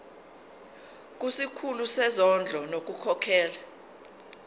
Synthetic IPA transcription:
k̬ʼusikʰulusɛzɔnd͡ɮʱɔnok̬ʼukʰɔkʰɛːla

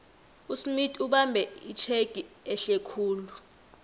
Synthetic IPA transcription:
usmitʼiuɓambʱɛit͡ʃʰeɡ̥ʱiɛɬɛkʰuːlu

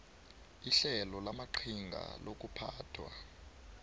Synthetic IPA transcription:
iɬɛlɔlamaǃʰiŋɡʱa̰lok̬ʼupʰaːtʰwa̰

